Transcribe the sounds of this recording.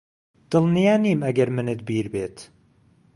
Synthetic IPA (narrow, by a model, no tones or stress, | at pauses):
d̪̥ɨlˠnijaːniːmɐɡɐɾmɨnɨt̪̚biːɾbeːt̪